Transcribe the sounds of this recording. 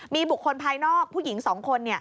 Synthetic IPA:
miː˧bu˨˩kʰːo˧npʰaː˧jnɔː˥˩k̚pʰuː˥˩ji˩˦ŋsɔː˩˦ŋkʰo˧nːi˥˩ɐ

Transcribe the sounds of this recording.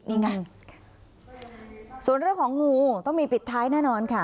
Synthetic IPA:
diː˧˩ŋa˧n | su˨˩ənɾɯ˥˩əŋkʰɔː˩˦ŋŋuː˧t̪ɔ˥˩ŋmiː˧pi˨˩t̪ʰːaː˦˥jnɛː˥˩nɔː˧nkʰa˥˩

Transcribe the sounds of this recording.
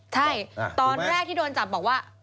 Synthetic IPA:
t͡ɕʰa˥˩jt̪ɔː˧nɾɛː˥˩k̪̚ʰiː˥˩doː˧nt͡ɕa˨˩p̚bɔː˨˩k̚waː˥˩

